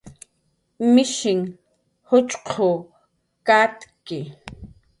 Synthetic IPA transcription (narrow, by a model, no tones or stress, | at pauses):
mɪʃɪŋ | hʊt͡ʃʼqʰo | kat̪kɪ